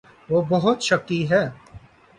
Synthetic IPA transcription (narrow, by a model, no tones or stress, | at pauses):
ʋoːbɐɦʊt̪ʃɐk̚ːiɦɛː